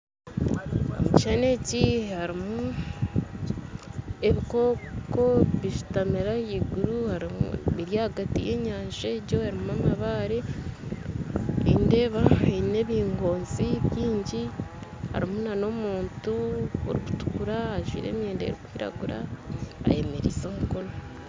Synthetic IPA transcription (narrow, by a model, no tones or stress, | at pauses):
omuciʃane̞cihaɾimu | e̞βiko̞ːko̞βiʃu̥tameɾajiɡuɾuhaɾimṵβiɾjaːhaɡatḭjeɲaːnʒaɾɟohaɾimuamaβaɾe | ende̞ːβaeine̞βiːŋɡo̞ːnziβjiːɲɟiha̰ɾimunano̞muːntuo̰ɾiku̥tu̥kuɾaaʒwḭɾe̞̰ːmje̞ːndḛɾikwiːɾa̰ɡuɾa̰ː | je̞meɾizoːmuko̞no